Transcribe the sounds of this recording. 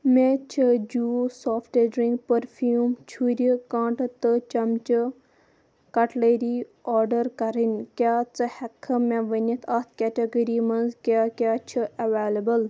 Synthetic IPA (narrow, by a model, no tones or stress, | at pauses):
met͡ʃʰəd͡ʒuːsoːfʈeɖɾĩŋɡpəɾfʰuːmt͡ʃʰuɾʲikãːʈt̪ɨt͡ʃɐmt͡ʃɨ | kɐʈleːɾiɔːɾɖəɾkɐɾinʲkʲjaːt͡sɨhɛkʰəmẽʋənɐt̪ʰɐt̪̚ʰkʲɛʈeɡəɾimɐnzkʲjaːkʲjaːt͡ʃʰiɐʋeːlɐbəl